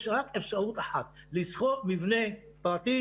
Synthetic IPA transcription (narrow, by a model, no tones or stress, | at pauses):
ʃʁakefʃaʔut̪aħat̪lisχoʔmivne | pʁat̪i